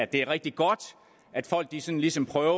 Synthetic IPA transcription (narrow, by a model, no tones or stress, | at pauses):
æd̥e̝æɐʁɛɡ̥̚d̥iɡ̥ɒ̽d̥ | ʔæd̥fɒ̽l̰ɡ̥d̥isɒ̽nlisɒ̽mpʰʁœːʊ